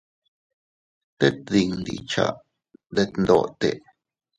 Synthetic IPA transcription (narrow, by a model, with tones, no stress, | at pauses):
t̪e˦t̪̚d̪i˧˨ŋnd̪ḭ˨t͡ʃa̰˨ʔ | d̪e˧t̪nd̪o˧˨t̪e˨ʔ